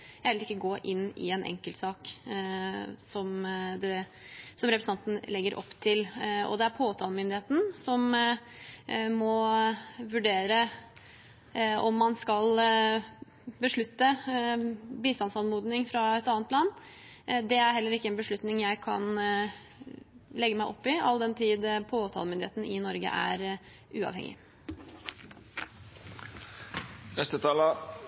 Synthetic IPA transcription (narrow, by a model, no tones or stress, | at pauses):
jæʋɪləɾɪkːəɡoːʔɪnːɪ̰ɛnʔɛ̰ŋkəlt̪sɑːk | sɔmd̪ɛ | sɔmɾɛpɾəst̪ɑnt̪n̩lɛɡːəɾʔɔ̰pːt̪ʰɪlɔ̰d̪ɛæɾpʰoːt̪ʰɑːlmʏnd̪ɪheːt̪n̩sɔm | mɔ | ʋʉɖeːɾə | ɔmːɑnskɑl | bəʂɭʉt̪ːə | biːst̪ɑnsɑnmuːd̪nɪŋfɾɑɛt̪ɑːnət̪lɑnː | d̪ɛæɾhɛlːəɾɪkːəɛnbəʂɭʉt̪nɪŋjæɪkʰɑ̰n | lɛɡːəmæɪʔɔpːɪɑld̪ɛnt̪ʰiːd̪pʰɔot̪ʰɑ̰lmʏnd̪ɪheːt̪n̩ʔɪnɔɾɡə̰ʔæ̰ɾ | ʉːɑ̰ʋhɛ̰ŋːɪ̰ | nɛst̪ət̪ʰɑːlə